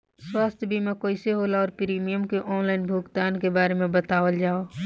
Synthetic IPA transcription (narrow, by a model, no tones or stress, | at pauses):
swaːst̪ʰbʱimɛ̃koːiseɦoːlaɔːɾpɪɾiːmijəmkeʔɔːnlaːɪnbʱuːɡt̪aːnkebaːɾemẽbət̪aːʋəld͡ʒaːoː